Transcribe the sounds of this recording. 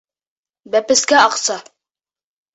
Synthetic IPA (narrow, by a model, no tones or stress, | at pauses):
bæpɘ̆skæɑqsɑ